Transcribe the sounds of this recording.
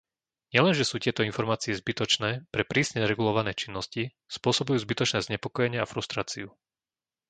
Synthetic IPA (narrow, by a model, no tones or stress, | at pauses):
ɲɪɛlɛnʒɛsuːc̪ɪɛt̪ɔinfɔɾmaːt͡siɛzbit̪ɔt͡ʃnɛːpɾɛpɾiːsɲɛɾɛɡulɔʋanɛːt͡ʃinːɔsci | spʊɔsɔbujuːzbit̪ɔt͡ʃnɛːzɲɛpɔkɔjɛɲɪɛafɾust̪ɾaːt͡siu